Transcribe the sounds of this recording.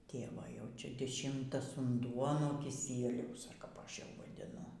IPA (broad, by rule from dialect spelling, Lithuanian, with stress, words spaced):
ˈtʲeːʋoː jɛʊ ˈt͡ʃʲɛ dʲɪˈʃʲɪmtɐs ʊnˈduɔ nuɔ kʲɪˈsʲiɛlʲɛʊs ɐr kɐp ˈɐʃ jɛʊ ʋɐdʲɪˈnʊ